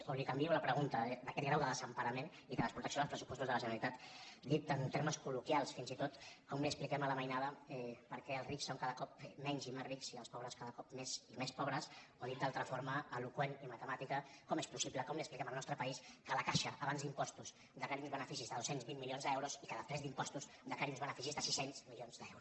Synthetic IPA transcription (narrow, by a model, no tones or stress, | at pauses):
olikəmbiɛwləpɾəɣunt̪əd̪əkɛt̪̚ɡɾawðəðəzəmpəɾəmen | iðəðəspɾut̪əksoðəlˠspɾəsu̥pɔst̪uzðələʒənəlit̪at̪d̪it̪ənt̪eɾməskulukjalˠsfinzit̪ot̪kɔmliəsplikɛmələməjnað̞əɛpəɾkɛəlˠzriksːoŋkaðəkɔpmɛɲzimesriksiə̰lˠspɔβɾəskaðəkɔp̚mesimespɔβɾəsoðit̪̚d̪alˠt̪ɾəfoɾməəlukwenimət̪əmat̪ikəkɔmespusipləkɔmliəksplikɛməlˠnɔst̪ɾəpəiskələkaʃəʔəβanzd̪impɔst̪uz | d̪əkaɾiumzβənəfisizðəðosenzβimmːilionzd̪ɛwɾuzikaðəspɾɛzd̪impɔst̪uz | d̪əkaɾiumzβənəfisizðəsisenz̥milionzd̪ɛwɾu